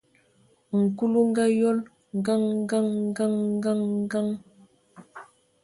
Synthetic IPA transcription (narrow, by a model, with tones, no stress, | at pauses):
ŋ̩˨ku˦lu˦ŋ˦ɡa˦jɔ˦l | ŋ˨ɡa˦ŋŋ˦ɡa˦ŋ˦ɡa˦ŋ˦ɡa˦ŋ˦ɡa˦ŋ